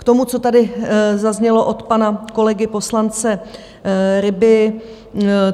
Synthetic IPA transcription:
kt̪o̞mut͡so̞t̪adɪzazɲɛlo̞ʔo̞t̪panako̞lɛɡɪpo̞slant͡sɛ | ɾɪbɪ

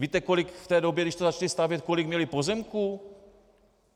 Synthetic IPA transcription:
viːt̪ɛko̞lɪkft̪ɛːdobjɛdɪʃt̪ozat͡ʃalɪst̪avjɛt̪̚ko̞lɪɡmɲɛlɪpo̞zɛmku

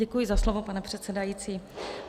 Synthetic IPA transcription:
ɛkujɪzaslovo̞panɛpr̝̥ɛt̪t͡sɛdajiːt͡siː

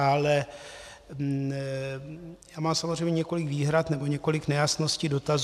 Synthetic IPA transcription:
alɛ | jaːmaːmsamozrejmɲɛɲɛko̞lɪkviːɦɾat̪nɛbo̞ɲɛko̞lɪknɛjasno̞sciːdo̞t̪az

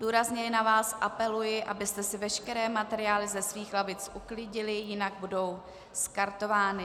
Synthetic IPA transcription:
duːɾazɲɛjɛnavaːsʔapɛlujɪʔabɪst̪ɛsɪvɛʃkɛɾɛːmat̪ɛɾɪjaːlɪzɛsviːxlavɪt͡sʔuklɪɟɪlɪjɪnaɡ̚budo̞w | skaɾt̪o̞vaːnɪ

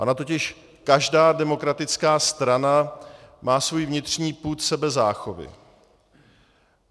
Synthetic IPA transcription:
ʔanat̪ocɪʃ | kaʒdaːdɛmo̞kɾat̪ɪt͡skaːst̪ɾanamaːsvujvɲɪt̪rɲiːpuːt̪sɛbɛzaːxovɪ̰

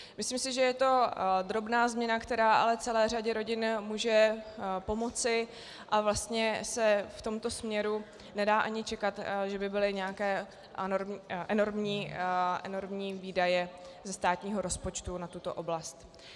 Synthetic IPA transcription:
mɪsliːmsɪʒɛjɛt̪o̞d̪ɾo̞bnaːzmɲɛnakt̪ɛɾaːʔa̰lɛt͡sɛlɛːr̝aɟɛɾo̞ɟɪnmuːʒɛpo̞mo̞t͡sɪ | ʔavlast̪ɲɛsɛft̪o̞mt̪o̞smɲɛɾu | nɛdaːʔaɲɪt͡ʃɛkat̪ʒɛbɪbɪlɪɲɛjakɛː | oɾmʔɛno̞ɾmɲiːʔɛno̞ɾmɲiːviːdajɛzɛst̪aːt̪ɲiːɦo̞ɾo̞spo̞t͡ʃt̪unat̪ut̪o̞̰ʔo̞blast̪

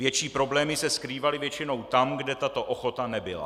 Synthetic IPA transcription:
vjɛt͡ʃiːpɾo̞blɛːmɪsɛskɾiːvalɪvjɛt͡ʃɪno̞wt̪amɡdɛt̪at̪o̞ʔoxo̞t̪anɛbɪla̰

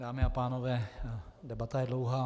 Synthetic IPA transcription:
daːmɪapaːnovɛːdɛbat̪ajɛdlowɦaː

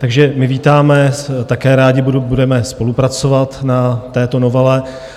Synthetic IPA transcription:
t̪aɡʒɛmɪviːt̪aːmɛt̪akɛːɾaːɟɪbbudɛmɛspo̞lupɾat͡so̞vat̪nat̪ɛːt̪o̞novɛlɛ

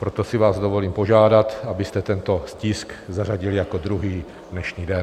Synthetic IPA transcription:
pɾot̪o̞sɪvaːzdovo̞liːmpo̞ʒaːdat̪abɪst̪ɛt̪ɛnt̪o̞scɪskzaraɟɪljako̞d̪ɾuɦiː | dnɛʃɲiːdɛn

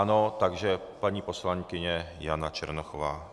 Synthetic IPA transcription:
ano̞t̪aɡʒɛpaɲiːpo̞slaŋkɪɲɛjanat͡ʃɛ̰ɾnoxovaː

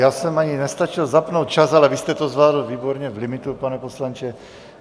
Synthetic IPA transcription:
jaːsɛmaɲinɛst̪at͡ʃilzapnowt̪̚t͡ʃazalɛvist̪ɛt̪ɔzvlaːd̪l̩viːbɔɾɲɛvlimit̪upanɛposlant͡ʃɛ

